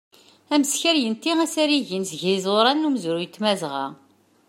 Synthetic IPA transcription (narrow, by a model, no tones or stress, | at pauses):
æməsçəɾjənt̪iæsæɾiʝinsʝizoɾˤɑnːumzuɾujət̪ːmæzʁɑ̰